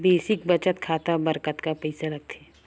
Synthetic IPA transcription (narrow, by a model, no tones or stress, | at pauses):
beːsɪk̚bɐt͡ʃət̪kʰaːt̪abɐɾkət̪kapɛɪsalɐɡ̚t̪ʰeː